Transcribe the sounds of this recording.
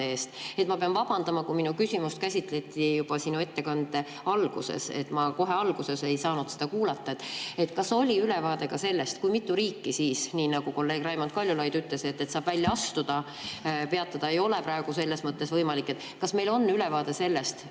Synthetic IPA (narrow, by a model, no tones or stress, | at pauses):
eːst̪e̞t̪mɑpeɑnvɑb̥ɑnd̪̥ɑmɑkuminukysʲimust̪̚kæsʲit̪ˑle̞t̪ːˑijub̥ɑsinue̞t̪ːe̞kɑnd̪̥e̞ | ɑlɡ̥use̞̰sḛt̪ːˑmɑko̞ɦe̞ɑlɡ̥use̞se̞jsɑːnud̪sed̪̥ɑkuːlɑt̪ːɑet̪ːˑe̞t̪ːkɑso̞lʲiyle̞vɑːd̪e̞ɡɑse̞lːe̞st̪kujmit̪ˑːuɾiːkˑːisiːsniːnɑɡ̥uko̞lːe̞ːɡ̥ræjmont̪̚kɑlʲjulɑjd̪yt̪ˑle̞se̞t̪ːet̪sɑːb̥vælʲːjɑɑst̪ud̪̥ɑ | pe̞ɑt̪ːˑɑd̪̥ɑe̞jo̞lepɾɑe̞ɡ̥use̞lːe̞smɤt̪ːe̞svɤjmɑlikːˑe̞t̪ | kɑsme̞jlo̞nːyle̞vɑːd̪̥e̞se̞lːe̞st̪